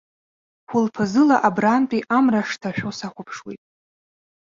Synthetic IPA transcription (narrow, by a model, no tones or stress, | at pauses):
χʷʊlpʰazɨlaʔabrantʼiʔamraʂtʰaʃᶣosaχʷapʰʂwḭtʼ